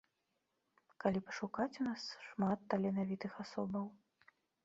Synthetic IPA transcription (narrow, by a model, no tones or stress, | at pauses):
kalʲipɐʂukat͡sʲunasʂmat̪ːɐlʲɛnavʲit̪ɨxasɔbɐw